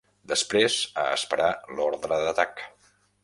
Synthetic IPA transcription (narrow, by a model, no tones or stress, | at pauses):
d̪əspɾezə̰əspəɾalɔɾðɾəðət̪ak